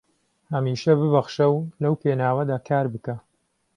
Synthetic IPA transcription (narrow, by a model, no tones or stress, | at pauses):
hɐmiːʃɐbɨbɐχʃɐwlɐwpʰeːnaːwɐd̪aːkʰaːɾbɨkɐ